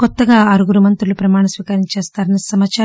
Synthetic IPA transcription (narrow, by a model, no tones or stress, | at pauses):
kɔt̪ːɐɡaːɐɾuɡuɾumɐnt̪ɾulupɾɐmaːɳɐsʋiːkɐɾiɲt͡ʃeːst̪aːɾɐnisɐmaːt͡ʃaː